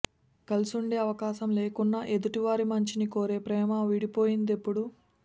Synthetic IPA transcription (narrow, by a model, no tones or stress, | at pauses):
kɐlusuɳɖe̞ːɐʋɐkaːʃɐmle̞ːkunːɐʔed̪uʈiʋaːɾimɐɲt͡ʃiniko̞ːɾe̞ːpɾɛːmɐʋiɽipo̞ːjind̪e̞pːuɽu